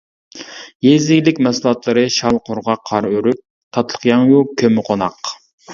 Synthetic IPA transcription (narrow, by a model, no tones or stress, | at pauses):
jezɪɡʲlɪkʲmɛslˠɑt̪lˠɨɾɨʃɑlˠqʰʊɾʁɑqʰːɑɾøɾyp̚ | t̪ʰɑt̪lˠə̥qjɑŋjukʲʰømɪqʰonɑq